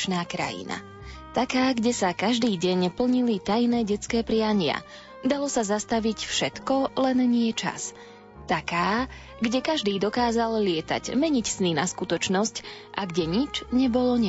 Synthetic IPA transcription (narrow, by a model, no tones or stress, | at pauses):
t͡ʃnaːkɾa̰jḭna̰ | t̪akaːɡɟɛsakaʒd̪iːɟɛɲpl̩ɲilit̪ajnɛːɟɛt͡skɛːpɾɪaɲɪa̰ | d̪alɔsazast̪aʋicfʃɛt̪kɔlɛnɲɪɛt͡ʃa̰s | t̪akaː | ɡɟɛkaʒd̪iːd̪ɔkaːzallɪɛt̪a̰ɟmɛɲicsninaskut̪ɔt͡ʃnɔsc | ʔaɡɟɛɲit͡ʃɲɛbɔlɔɲɛ